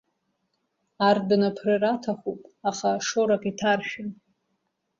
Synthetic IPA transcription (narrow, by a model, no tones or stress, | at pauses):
ardnapʰrɨratʰaχupʼaχaʂoɾakʼitʰarʃᶣan